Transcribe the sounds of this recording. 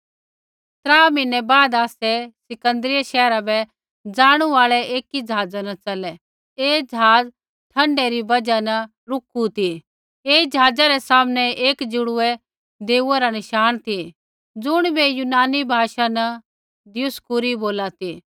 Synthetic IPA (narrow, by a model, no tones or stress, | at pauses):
t̪ɾaːmɪ̃nɛbaːd̪aːsɛsɪkə̃nd̪ɾɪjaʃɛːɾabɛ | d͡zaːɽ̃uaːɭɛʔeːkid͡ʒɦaːd͡zanɐt͡sɐlɛ | eːd͡ʒəɦaːd͡z | ʈʰɐ̃ɳɖɛɾibɐd͡ʒanɐ | ɾʊkut̪ʰi | eːd͡ʒɐɦaːd͡zaɾɛsaːmnɛeːkd͡ʒʊɽʊɛ | d̪eːuɛɾanɪʃaːñt̪ʰi | d͡zʊɽ̃bɛjʊnaːnibʱaːʃanɐ | d̪ɪjʊskʊɾiboːlat̪i